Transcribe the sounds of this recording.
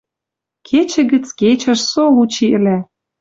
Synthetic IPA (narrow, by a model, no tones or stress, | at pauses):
kʰet͡ɕɘ̆ɣə̆t͡sket͡ɕə̆ʃsolut͡ɕiʔɘ̆lʲæ